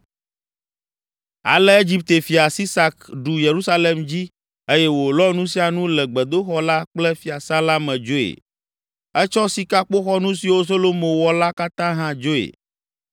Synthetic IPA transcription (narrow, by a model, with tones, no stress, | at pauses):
a̰˨lɛ˦e˦d͡ʑi˦p̚t̪e˨fi˨a˨si˦sa˨kɖu˨je˨ɾu˦sa˦le˨md͡ʑi˦ | e˦jɛ˦wo˨lɔ˦nũ˦si˦a˨nũ˦lɛ˨ɡ͡bɛ˨d̪o˦xɔ˦la˦k͡plɛ˦fi˨a˨sã˦la˦mɛ̃˨d͡ʒo˦ḛ˨ | ɛ˦t͡ʃɔ˦si˨ka˦k͡po˦xɔ˦nũ˦si˨wo˦so˦lo˦mõ˨wɔ˦la˦ka˦t̪ã˦ɦã˦d͡ʒo˦ḛ˨